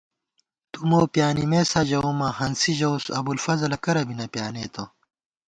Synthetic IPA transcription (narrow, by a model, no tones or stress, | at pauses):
t̪umoːpjaːnimeːsɐd͡ʑɐomɐhɐnsiʑɐwsɐ̰bulfɐzɐlɐkɐɾɐbinɐpjaːneːt̪ɐ